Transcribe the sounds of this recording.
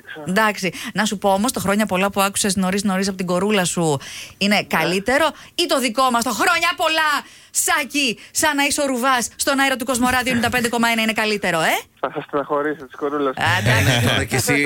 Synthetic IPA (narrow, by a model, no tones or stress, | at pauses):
nd̪ɐksinɐsupo̞omo̞st̪ɐxɾo̞ɲɐpo̞lɐpuɐku̥se̞sno̞ɾisno̞ɾis̬ɐpot̪iɡo̞ɾulɐsuine̞kɐlit̪e̞ɾo̞ | it̪o̞ðiko̞mɐst̪oxɾo̞ɲɐpo̞lɐ | sɐcisɐnɐiso̞ɾuvɐsːt̪o̞nɐeɾo̞t̪uko̞zmo̞ɾɐðiond̪ɐpend̪eko̞mɐe̞nɐine̞kɐlit̪e̞ɾo̞eθɐsɐst̪nɐxo̞ɾisot̪i̥sɡ̥oɾulɐsd̪cesi